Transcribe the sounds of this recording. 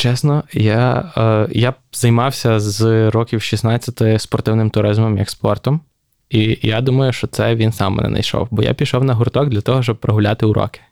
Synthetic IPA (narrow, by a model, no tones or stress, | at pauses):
t͡ʃɛsnɔja | ja | zɐjmɑwsʲɐzɾɔkʲiwʃisnɑt͡sʲːɐt̪ɪspɔrt̪ɪwnɪmt̪ʊɾɪzmɔmjɐ̰kspɔrt̪ɔm | ijad̪umɐjʊʃt͡ʃɔt̪sɛʋʲinsɑmːɛ̰nɛ̰nɐ̰jʃɔ̰wbɔja̰pʲijʃɔwnɐɦʊrt̪ɔɡ̚d̪lʲɐt̪ɔɦɔʃt͡ʃɔb̚pːɾɐɦʊlʲat̪ɪʊɾɔ̰kɪ̥